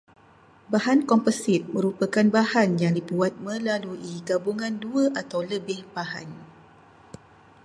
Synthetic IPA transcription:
bahankɔmpəsɪt̪̚mə̃ɾupəkanbahanjaŋdibuat̪̚mə̃laluʔiɡabuŋãnduəʔat̪awləbɪhbaha̰n

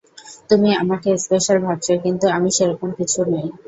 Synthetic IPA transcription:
t̪umia̰makespeʃalbʱak̚t͡ɕeɾkint̪uamiʃeɾɔkonkit͡ɕʰunej

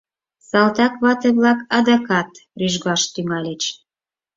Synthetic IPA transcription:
sɑlt̪ɑkβɑt̪eβlɑkɑd̪ɑkɑt̪ryʒɣɑʃt̪yŋɑlet͡ɕ

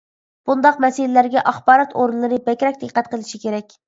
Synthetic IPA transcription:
b̥und̪ɑqmɛsɪlɪlæɾɡʲɛʔɑχbɑːɾɑt̪ʰoɾɨnlˠɨɾɨbɛkʲɾɛk̚ʲd̪əqːæt̪qəlˠɨʃikʲeɾɛkʲ

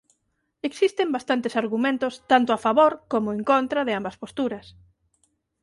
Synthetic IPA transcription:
eksist̪embast̪ant̪esaɾɣumẽnt̪ost̪ant̪ʊafaβoɾkomʊeŋkont̪ɾɐðɪambɐspost̪uɾɐs

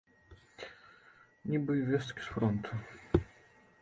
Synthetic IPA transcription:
nʲibɨvʲest̪kʲi̥sfɾɔnt̪ʰu

